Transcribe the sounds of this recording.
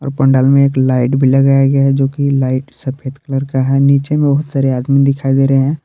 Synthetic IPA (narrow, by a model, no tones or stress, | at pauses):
ɔ̰ːɾpɐ̃ɳɖaːlmẽeːklaːɪʈbʱilɐɡaːjaɡɐjaɦɛd͡ʒoːkilaːɪʈsɐpʰeːt̪kələɾkaɦɛːniːt͡ʃemẽbɐɦʊt̪saːɾeaːd̪mĩd̪ɪkʰaːid̪eːɾɐɦɦɛ̃ː